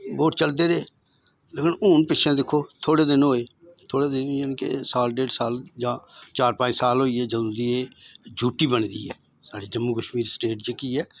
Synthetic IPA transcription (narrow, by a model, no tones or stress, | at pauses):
boːʈ̚t͡ʃəld̪eːɾeː | leːkənuːnpɪʃʰẽːd̪ɪkʰːoːt̪ʰoːɽeːd̪ɪnoːeː | t̪ʰoːɽeːd̪ɪnjaːnĩːkḛsaːlɖeːɖsaːld͡ʒãːt͡ʃaːɾpãːt͡ʃsaːlɦoːiːɛːd͡ʒəd̪õːd̪iːeːd͡ʒuːʈiːbənd̪ḭːɛː | saːɖiːd͡ʒəmːuːkəʃmiːɾsʈeːʈd͡ʒəkiːɛː